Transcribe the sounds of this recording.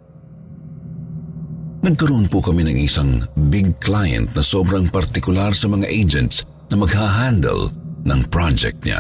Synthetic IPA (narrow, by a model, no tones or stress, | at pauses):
nɐɡ̚kɐɾoʔonpʊkɐminɐŋʔɪsaŋbɪɡ̚klajɛ̰̃nt̪̚nɐsoːbɾɐŋpɐɾt̪ɪkʊlaɾsɐmɐŋaʔejd͡ʒɛnt̪s | nɐmɐɡhaɦand̪ɛ̰lnɐŋpɹad͡ʒɛ̰k̚t̪̚ɲa̰